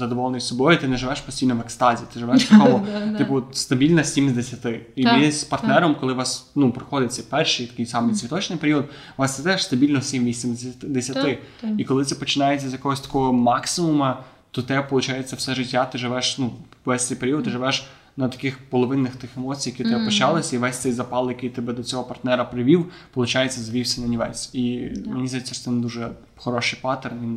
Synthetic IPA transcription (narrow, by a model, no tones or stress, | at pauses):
zɐd̪ɔʋɔlˠnɔjsɔbɔjit̪ɪnɛʒɪʋɛʃpɔ̥sʲtʲijnɔʋekst̪ɑzʲit̪ɪʒɪʋɛʃt̪ɐkɔɦɔt̪ɪpʊst̪ɐbʲilʲnɐsʲimzʲd̪esʲɐt̪ɪimɪspɐrt̪nɛɾɔmkɔlˠɪʋɑsnupɾɪxɔd̪ɪt͡sʲːɐpɛrʃit̪ɐ̥kɪjsɑmɪjt̪sʲʋʲit̪ɔt͡ʃnɪjpeɾʲiɔd̪ | ʋɑst̪ɛt̪ɛʃst̪ɐbʲilʲnɔsʲimʋʲisʲimd̪esʲjɐt̪ɪikɔlˠɪt̪ɛpɔt͡ʃɪnɑjet͡sʲːɐzʲjɐkɔɦɔsʲt̪ɐ̥kɔɦɔmɑksɪmʊmɐ | t̪ɔt̪ɛpɔlˠʊt͡ʃajet͡sʲːɐfsɛʒɪtʲːat̪ɪʒɪʋɛʃnuʋɛsʲt̪ɛjpeɾʲiɔd̪̚t̪ːɪʒɪʋɛʃ | nɐt̪ɐ̥kɪxpɔlˠɔʋɪnːɪxt̪ɪxemɔt͡sʲijɐkʲit̪ɪɛpɔt͡ʃɑlˠɪsʲɐiʋɛsʲt̪ɛjzɐpɑlˠjɐkɪjt̪ɪbɛd̪ɔt͡sʲɔɦɔpɐrt̪nɛɾɐpɾɪʋʲiwpɔlˠʊt͡ʃajet͡sʲːɐzʋʲiwsʲɐnɐnʲiʋɛ̰sʲimenʲizʲasʲɛst̪ɪnd̪uʒɛ | xɔɾɔʃɪjpɑt̪ernʲin